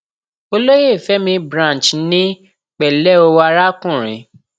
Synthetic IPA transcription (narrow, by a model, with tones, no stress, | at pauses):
o˧lo˦je˦˨fɛ˨˦mĩ˧bɾã˦n˨t͡ʃnĩ˦ | k͡pɛ˨lɛ˦o˧wa˧ɾa˦kũ˦˨ɾ̃ḭ̃˨˦